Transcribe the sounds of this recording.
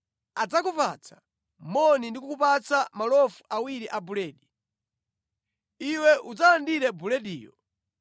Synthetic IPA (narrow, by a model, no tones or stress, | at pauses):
ad͡zakupa̰t͡sʰḁ | mɔnindikukupat͡samalɔfuʔawiɾiʔabulɛːɗi | iwɛʔud͡zalandiɾɛbulɛdḭːjɔ